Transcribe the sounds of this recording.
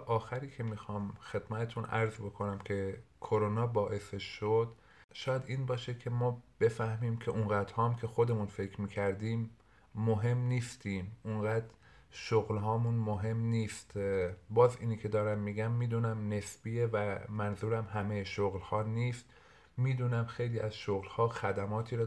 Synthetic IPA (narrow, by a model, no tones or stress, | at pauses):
ʔɒːxæɾiːcʰe̞miːxɒːmxe̞d̪̥mæt̪ʰet̪ʰunʔæ̰ɾzbo̞kʰo̞næmcʰe̞kʰoɾonɒːbɒːʔe̞seʃod̪ | ʃɒːjæd̪iːnbɒːʃekʲʰe̞mɒːb̥e̞fæhmiːmcʰeʔuŋɡæd̪hɒːmkʲʰe̞xo̞d̪e̞munfe̞kʰɾmiːcʰæɾd̪iːmː | oɦe̞mniːst̪ʰiːmuŋɡæːd̪ | ʃoɣlɦɒːmunmoɦe̞mniːst̪bɒːzḭːniːcʰe̞d̪ɒːɾæmːiːɡæmːiːd̪uːnæmne̞sbiːevæmænzuːɾæmhæmejeʃoɣlhɒːniːst̪ | miːd̪uːnæmxe̞jliːʔæz̥ʃoɣlhɒːxæd̪æmɒːt̪ʰiːɾɔ